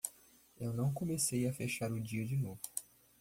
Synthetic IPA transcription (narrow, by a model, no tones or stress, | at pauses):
ewnɐ̃w̃kõmesejɐfeʃaɾʊd͡ʒiɐd͡ʒɪnovʊ